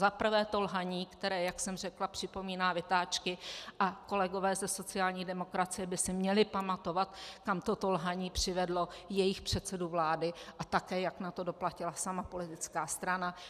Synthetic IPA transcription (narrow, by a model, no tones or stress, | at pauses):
zapr̩vɛːt̪o̞lɦaɲiːkt̪ɛɾɛːjaksɛmrɛklapr̥ɪpo̞miːnaːvɪt̪aːt͡ʃkɪʔako̞lɛɡo̞vɛːzɛso̞t͡sɪaːlɲiːdɛmo̞kɾat͡sɪjɛbɪsɪmɲɛlɪpamat̪o̞vat̪kamt̪ot̪o̞lɦaɲiːpr̝̥ɪvɛdlo̞jɛjɪxpr̝̥ɛt̪t͡sɛduvlaːdɪʔat̪akɛːjaknat̪o̞do̞placɪlasamapo̞lɪt̪ɪt͡skaːst̪ɾana